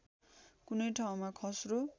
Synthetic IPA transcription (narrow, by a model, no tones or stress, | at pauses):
kunʌjʈʰaw̃makʰʌsro